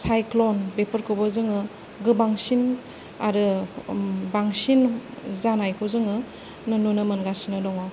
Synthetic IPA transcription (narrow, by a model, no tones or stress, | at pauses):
sajklɔnbepʰəɾkʰɯwbɐzɯŋɯ | ɡɯbaŋsin | aɾɯ | baŋsinzanajkʰɯwzɯŋɯ | nɯnunɯmɐnɡasinɯlɔŋaw